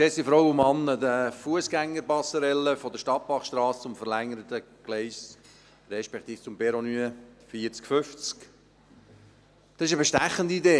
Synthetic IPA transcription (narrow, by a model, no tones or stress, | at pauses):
kseːsifɾowʊmɑnːəd̪əfuəsɡ̥æŋːəɾbɑsːəɾɛlːəfɔd̪əʃtɑt̚b̥ɑχʃtɾɑːst͡sʊmfəɾlæŋːəɾət̪əɡ̥lɛɪs | ɾɛʃpɛkt̪iːft͡sʊmpɛɾonyːəfiəɾt͡skfʏft͡sk | d̥̪ɑsɪʃəbɛʃtæχːənd̪iid̪eː